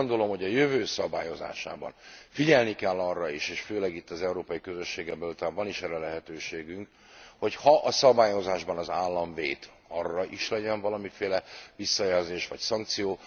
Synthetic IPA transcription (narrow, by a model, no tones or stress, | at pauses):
ond̪o̞lo̞mho̞ɟɒjøvøːsɒba̰ːjo̞za̰ːʃa̰ːbɒ̰nfiɟɛlnikɛlːɒrːɒiʃeːʃføːlɛɡit̪ːɒzɛuɾoːpɒjikøzø̞ʃːeːɡɛmbɛlut̪aːɱvɒniʃɛrɛlɛɦɛt̪øːʃeːɡyŋk | ho̞chɒʔɒsɒbaːjo̞zaːʒbɒnɒzaːlːɒɱvḛːt̪ | ɒrːɒʔiʃlɛɟɛɱvɒlɒmifeːlɛʋisːɒjɛlzeːʃʋɒcsɒŋk̚t̪sijoː